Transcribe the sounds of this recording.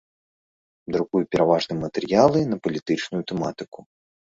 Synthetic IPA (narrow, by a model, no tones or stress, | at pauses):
d̪ɾuɣujupʲɛɾavaʐnɨmɐt̪ɛrjalˠɨnɐpɐlʲit̪ɨt͡ʂnujut̪ɛmat̪ɨku